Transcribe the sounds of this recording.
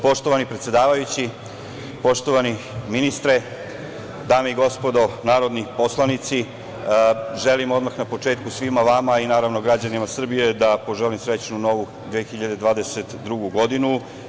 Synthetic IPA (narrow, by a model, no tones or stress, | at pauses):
po̞ʂt̪o̞ʋanipɾet̪sje̞d̪aːʋajut͡ɕi | po̞ʃt̪o̞ʋani | minist̪ɾe | d̪aːmeiɡo̞spo̞d̪o̞naːɾo̞d̪nipo̞slˠanit̪si | ʒe̞limo̞d̪maxnapo̞t͡ʂe̞ːt̪̚kusʋimaʋamainaːɾaʋno̞ɡɾad͡ʑanimasr̩bije̞d̪apo̞ʒelimsɾe̞t͡ɕnuno̞ʋu | d̪ʋeːxiʎad̪e̞d̪ʋaːd̪eset̪d̪ɾuɡuɡo̞d̪inu